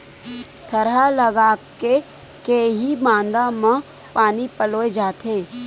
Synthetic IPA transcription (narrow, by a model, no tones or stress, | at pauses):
t̪ʰɐɾalɐɡaːke | keːɦimãːnd̪amã | paːnipəloːed͡ʒaːt̪ʰeː